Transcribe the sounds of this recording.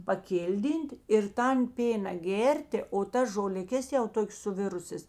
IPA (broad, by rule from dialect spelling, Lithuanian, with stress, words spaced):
pɐˈkʲɪlʲˌdʲiːnʲtʲ ɪr ˈtɐn ˈpʲeːnɐ ˈɡʲeːrʲtʲeː oː ˈtɐs ʒoːlʲɪˈkʲɛs jɛʊ ˈtoːkʲeːs sʊˈʋʲɪrʊsʲeːs